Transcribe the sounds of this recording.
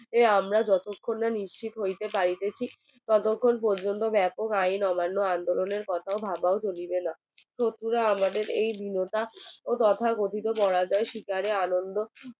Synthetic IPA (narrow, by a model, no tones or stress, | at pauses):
eamɾad͡ʑɔt̪okʰːonːaniʃt͡ɕit̪ɦojt̪epaɾit̪et͡ɕʰi | t̪ɔt̪okʰːonp̬ɔɾd͡ʑont̪obɛpokajnɔmanːoand̪oloneɾkɔt̪ʰaobʱabaot͡ɕolibena | ʃʰot̪ːuɾaamad̪eɾejb̪ʱinot̪aot̪ɔt̪ʰaɡot̪ʰit̪opɔɽad͡ʑaeʃikaɾeanond̪o